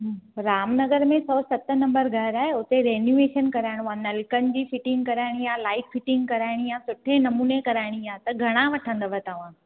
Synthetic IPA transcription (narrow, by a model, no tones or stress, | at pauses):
ɦɾaːmnɐɡəɾmẽsɔːsɐt̪ənɐ̃mbəɾɡʱɐɾaːɦeʊt̪eɾeːnjueːʃənkɐɾaːɪɽ̃uãnɐlkən̆d͡ʑiːfɪʈɪ̃ŋɡkɐɾaːɪɽ̃ijaːlaːɪkfɪʈɪ̃ŋɡkɐɾaːɪɽ̃ijasʊʈʰẽnɐmuːnekɐɾaːɪɽ̃ijaːt̪ɐɡʱɐɽ̃ãʋɐʈʰə̃nd̪əʋʱət̪ɐʋ̤ãː